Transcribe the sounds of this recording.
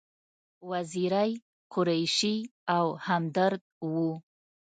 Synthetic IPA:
waziɾaj | qʰʊɾajʃiawhamd̪aɾd̪̚wu

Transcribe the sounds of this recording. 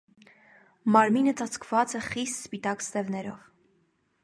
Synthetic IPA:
mɑɾminət͡sɑt͡sʰkʰv̥ɑt͡sɛχist̪spit̪ɑkst̪ɛvnɛɾɔv

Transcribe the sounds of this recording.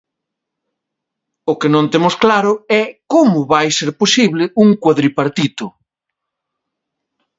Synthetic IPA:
ʊkenõnt̪emʊsklaɾʊɛkomʊβajseɾposiβlɪuŋkwaðɾipaɾt̪it̪ʊ

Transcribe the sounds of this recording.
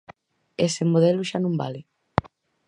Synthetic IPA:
esemoðɛlʊʃanõmba̰lɪ

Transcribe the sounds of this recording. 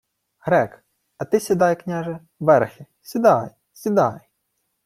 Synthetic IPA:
hɾɛk | ɐt̪ɪsʲid̪ɑjknʲaʒɛ | ʋɛɾxʲɪ | sʲid̪ɑj | sʲid̪ɑj

